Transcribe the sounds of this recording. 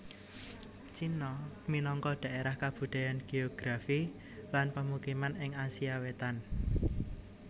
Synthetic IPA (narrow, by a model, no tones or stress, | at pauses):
t͡ʃinɔminɔŋkɔɖ̪̥ä̤eɾahkab̥ṳd̪̥a̤janɡ̥eoɡ̥ɾafi | lanpəmukimanɪŋasiawet̪an